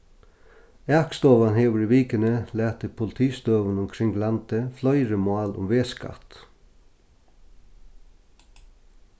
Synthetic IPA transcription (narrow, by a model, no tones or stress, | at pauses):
ækst̪ɔːʋanheːʋəɾɪʋiːkənəlæːt̪əpʰʊlɪt̪ʰiːst̪øːʋənʊmkʰɾɪŋlant̪əflœʏɾəmɑːlʊ̰mʋeːska̰t̪